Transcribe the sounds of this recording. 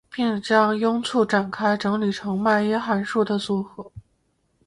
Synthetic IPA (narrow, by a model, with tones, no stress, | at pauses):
pi˥˩ŋt͡ɕjɑ˥ŋjʊ˥ŋt͡sʰu˥˩ʈ͡ʂa˨˩nkʰa˥ɪʈ͡ʂɤ˧˥ŋli˨˩ʈ͡ʂʰɤ˧˥ŋma˥˩ɪjɛ˥xa˧˥nʂu˥˩d̪ə˩su˧˥xɤ˧˥